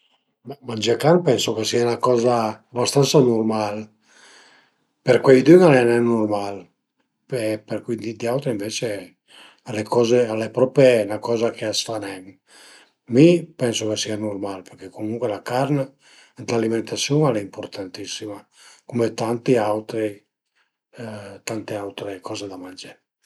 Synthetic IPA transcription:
ɛmand͡ʒakanpɛnsokesianakɔːzaːbast̪ansanurmal | peɾkwejd̪yŋanɛnɛnːurmal | epeɾkwid̪id̪iawt̪ɾiiɱvet͡ʃe | alekʰɔːzealepɾɔpenakɔːzakeasfanɛm | mipɛnsokesianurmalpeɾkekomuŋkwelakaɾna | t̪laliment̪asːjuŋaleimpoɾt̪ʰant̪isːima | kumet̪ant̪iawt̪ɾi | t̪ant̪eawt̪ɾekɔːzed̪amand͡ʒe

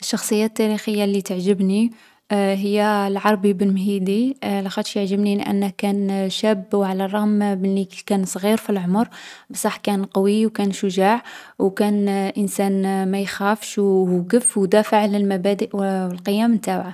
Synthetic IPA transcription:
ʔəʃːɑxsˤəjːæt̪ːæɾixəjːalit̪əʕʒəbni | ɦəjːælʕɑɾˤbibəlmɦid̪ilæxɑt̪ʃjəʕʒəbnilʔə̰nːəhkænʃæbːwʕalærˤɑhmməikænsˤɣiɾfilʕomɾbəsˤɑħkænqɑwiwkænʃʊʒaʕwkænʔənsænmæjxæfʃwɡəfːwd̪æfəʕləlmæbæd̪əʔəlqəjːæmt̪abʕa

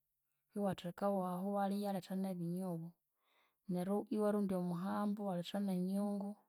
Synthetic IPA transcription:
hiwatekawwaɦowalijaletaneβiɲoβo | neɾuʔiwaɾuːndiomuɦaːmbowaletaneɲoːŋɡo

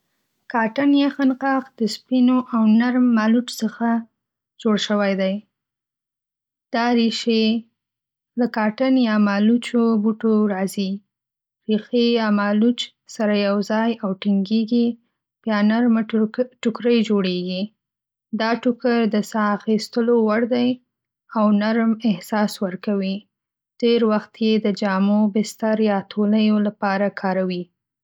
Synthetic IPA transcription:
kɑʈanjaxanqɑqd̪̥əspinoʔawnaɾmːɑlut͡ʃsəxa | d͡ʒoɽʃəwajd̪aj | d̪̥ɑɾiʃe | lakɑʈanjɑmɑlut͡ʃobuʈoɾɑzi | ɾixejɑmɑlut͡ʃ | saɾajawzɑjawʈɪŋɡeɡi | b̥jɑnaɾmʈʊkɾəjd͡ʒoɽeɡi | d̪ɑʈʊkəɾd̪əsɑaxist̪əlowaɽd̪aj | awnaɾmɪhsɑswəɾkawi | ɖ̥eɾwaxt̪jed̪əd͡ʒɑmobɪst̪aɾjɑt̪ʰoləjolapɑɾakʰɑɾawi

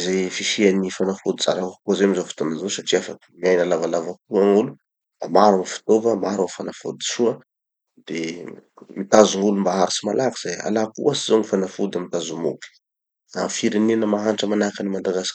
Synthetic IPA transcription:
zefiʃianifanafud̪iza̰ɾakkozeamizofu̥t̪onazosaʈ͡ʂiafaki̥miajnalavalavak̚uaŋulu | b̥amaɾuŋifu̥t̪ovəmaɾuŋfanafud̪i̥ʃuə | d̪̥e | mit̪azuŋulumbaɦaɾisimalaki̥z̥aja̰lakṵasizoŋifanafud̪amit̪azumṵki̥ | a̰mfiɾenenəmaɦanʈ͡ʂəmanakanimad̪aɡasi̥k

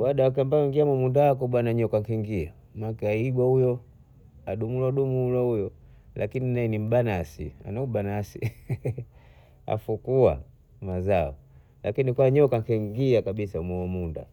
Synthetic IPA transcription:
waɗawak̬ambaɔiŋɡiamɔmundawak̬ɔɓwanaɲɔkaŋkiŋɡia | makɛaiɡwahujɔ | aɗumulaɗumulwaujɔ | lʔa̰kininaɛnim̩banasḭa̰naubanasi | a̰fukua̰ | mazaɔ | lakinikwaɲɔkaŋkɛŋɡiakaɓisamɔɔmunda̰

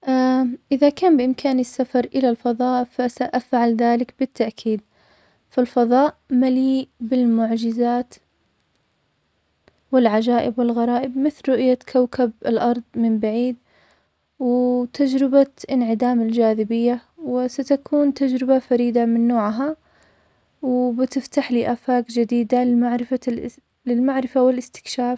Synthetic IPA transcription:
ʔaʔɪðakaːmbɪʔɪmkʰaːnɪsːafɑɾˤʔɪlalfɑðˤɑːʔfasaʔafʕalðaːlɪkbɪt̪ːaʔkʰiːd̪ | falfɑðˤɑːʔmaliːʔbɪlmʊʕd͡ʒɪzaːt̪ | wɪlʕad͡ʒaːʔɪbwɪlɣɑɾˤɑːʔɪbmɪθlɾˤʊʔjakʰawkʰabɪlʔɑɾˤðˤmɪmbaʕiːd̪̚ | wɪt̪ʰad͡ʒɾɪbaʔɪnʕɪd̪aːmɪld͡ʒaːðɪbɪjːawɪsat̪akʰuːnt̪ad͡ʒɾɪbafaɾiːd̪amɪnːoːʕɦa | wɪbɪt̪ɪft̪aħliːʔaːfaːkd͡ʒɪd̪iːd̪aaʕɾɪfa | lɪlmaʕɾɪfawɪlɪst̪ɪ̥kʃaːf

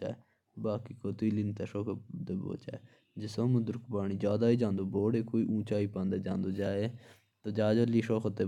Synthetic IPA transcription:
a̰ːe | baːkiːkoːt̪iːlɪnt̪eːʃoːkʰt̪eːbo̰ːt͡ʃa̰ːe | d͡ʒɪsoːmʊd̪ʊɾkpaːɳ̃iːd͡ʒaːd̪aːiːd͡ʒãːnd̪oːboːɽeːkoːiːʔũːt͡ʃaːiːpãːnd̪eːd͡ʒã̰ːnd̪oːd͡ʒaːeː | t̪oːd͡ʒaːd͡ʒəliːʃoːkʰt̪eː

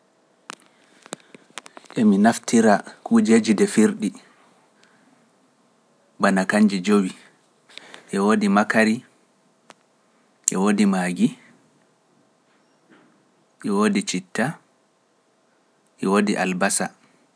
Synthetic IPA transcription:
ʔɛminaftiɾakud͡ʒed͡ʒidɛfiɾɗi | banakaɲd͡ʒid͡ʒowi | ʔɛwoːdimakaɾi | ʔɛwodimaːɡi | ʔɛwodit͡ʃitːa | ʔɛwodiʔalbasa

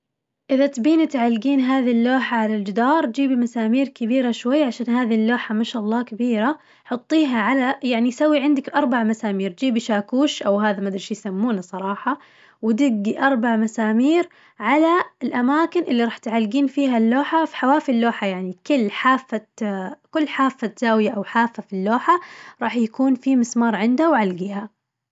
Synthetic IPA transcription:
ʔɪðat̪biːnat̪ʕalːɡiːnɦaːðilːoːħaʕalald͡ʒɪd̪ɑːɾ̚ˤd͡ʒiːbimasaːmiːɾkɪbiːɾaʃwajːaʕaʃaːnɦaːðilːoːħamaʃaʔɑlˤːɑːkabiːɾa | ħʊt̪ˤːiːɦaʕalajaʕnijsawːiʕɪnd̪akʔɑɾˤbaʕmasaːmiːɾd͡ʒiːbiʃaːkuːʃʔawɦaːðamad̪ɾˤʃjsamːuːnasˤɑɾˤɑːħɑ | wɪd̪ɪɡːiʔɑɾˤbaʕmasaːmiːɾ | ʕalaɪlʔamaːkɪnʔɪlːiɾˤɑːħt̪ʕalːɡiːnfiːɦalːoːħafi̥ħawaːfilːoːħajaʕnikʊlːħaːfːakʊlːħaːfːat̪z̥aːwjaʔawħaːfːafilːoːħaɾˤɑːħjakuːnfimɪsmɑːɾˤʕɪnd̪hawʕalɡiːha

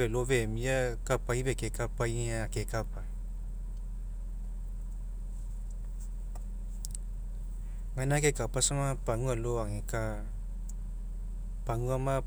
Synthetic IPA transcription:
ɛlovemiakapaivekekapaiaakekapa | ŋanakekapasamapaŋualoaŋeka | paŋuama

